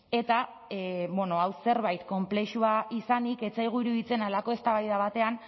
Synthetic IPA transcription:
e̞t̪a | βenoawse̞ɾβajt̪ko̞mple̞ʃuaʔisanike̞t͡sajɣ̞uiɾuðit͡se̞nalako̞e̞st̪aβajðaβ̞at̪e̞an

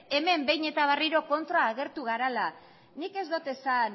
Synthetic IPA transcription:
e̞me̞mbe̞jɲe̞t̪aβ̞ariɾo̞ko̞nt̪ɾaːɣ̞e̞ɾt̪uɣaɾala | nike̞zd̪ot̪e̞san

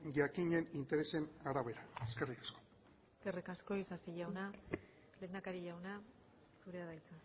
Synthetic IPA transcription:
ʝakiɲe̞nint̪e̞ɾe̞se̞naɾaβe̞ɾaeske̞rikḁsko̞̥ | eskerikasko̞isasiʝawna | le̞ːnd̪akaɾiʎawna | suɾe̞aðajt͡sa

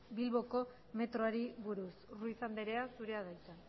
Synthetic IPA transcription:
bilβo̞ko̞ | me̞t̪ɾoaɾiβuɾusruisand̪eɾe̞asuɾe̞aðajt͡san

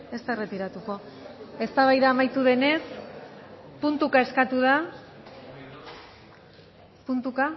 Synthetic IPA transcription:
e̞st̪aere̞t̪iɾat̪uko̞ | e̞st̪aβajðaːmajt̪uðe̞ne̞s | punt̪ukae̞skat̪uða | punt̪uka

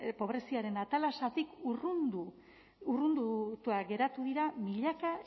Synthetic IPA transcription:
po̞βɾe̞siaɾe̞nat̪alasat̪ikru | urund̪ut̪uaɡe̞ɾat̪uðiɾamiʎaka

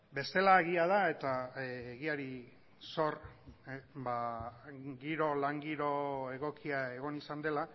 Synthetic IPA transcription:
be̞st̪e̞laeɣiað̞ae̞t̪aeɣiaɾi | so̞r | ba | ɡiɾo̞laŋɡiɾo̞e̞ɣo̞kiae̞ɣ̞o̞nisand̪e̞la

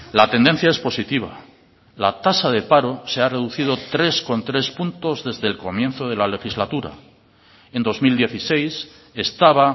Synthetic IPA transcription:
lat̪e̞nd̪e̞n̟θjae̞spo̞sit̪iβ̞a̰ | lat̪asaðe̞paɾo̞se̞are̞ðuθið̞o̞t̪ɾe̞sko̞nt̪ɾe̞spunt̪o̞zðe̞zðe̞lko̞mje̞nθo̞ð̞e̞lale̞xizlat̪uɾa̰ | e̞nd̪o̞zmild̪je̞θise̞js | e̞st̪aβa

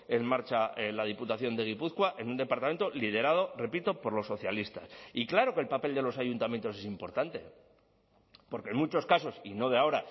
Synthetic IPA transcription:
e̞nmaɾt͡ʃaelaðiput̪aθjo̞nd̪e̞ɣ̞ipuθkwaʔe̞nũnd̪e̞paɾt̪ame̞nt̪o̞lið̞e̞ɾað̞o̞re̞pit̪opo̞ɾlo̞sːo̞θjalist̪a̰siklaɾo̞kelpape̞ld̪e̞lo̞saʝunt̪amjent̪o̞se̞simpo̞̰ɾt̪ant̪e̞̰ | po̞ɾkenmut͡ʃo̞skaso̞sino̞ðeao̞ɾa

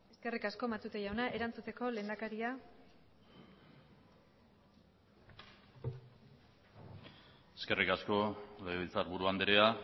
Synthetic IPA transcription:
eske̞rikasko̞mat̪ut̪eʝawnaʔe̞ɾant͡sut͡s̪e̞ko̞le̞ːnd̪akaɾia | eske̞rikasko̞leɣeilt͡saɾβuɾuand̪eɾea

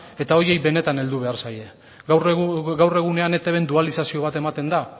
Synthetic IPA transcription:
e̞t̪ao̞je̞jbe̞ne̞t̪ane̞ld̪uβ̞e̞aɾsaje̞ | wrɡawre̞ɣ̞une̞ane̞t̪eβe̞nd̪ualisasio̞β̞at̪e̞mat̪e̞nd̪a

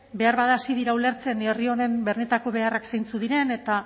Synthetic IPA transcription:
be̞aɾβaðaːsiðiɾaule̞ɾt͡se̞nerio̞ne̞mbe̞rne̞t̪ako̞β̞e̞araksejnt͡suðiɾe̞ne̞t̪a

